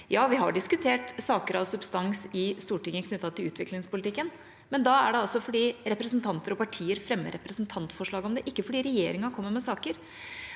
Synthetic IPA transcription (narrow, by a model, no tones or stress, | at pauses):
jɑːʋɪɦɑ̰ɖɪskʉt̪ʰeːʈsɑːkəɾɑʋsʉbst̪ɑnsɪst̪uːʈɪŋːəkʰnʉt̪ːɑt̪ʰːɪlʉːt̪ʰʋɪklɪŋspʊlɪt̪ʰɪkːən | mɛnd̪ɑæɖɛɑsɔfɔɖiːɾɛpɾəsnt̪ʰɑnt̪əɾɔpʰɑʈʰiːəɾfɾɛmːə̰ɾɛpɾəsnt̪ʰɑnt̪fɔʂɭɑːɡɔmd̪ɛʔɪkːəfɔɖiːɾɛjeːɾɪŋɑɾkʰɔmːəɾmɛsɑːkəɾ